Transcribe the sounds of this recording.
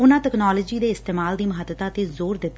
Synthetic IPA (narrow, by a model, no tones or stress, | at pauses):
ʊnãːʈɛknaːləd͡ʒiːd̪eːɪst̪eːmaːld̪iːməɦət̪ːət̪ãːət̪eːzoːɾd̪ɪt̪ː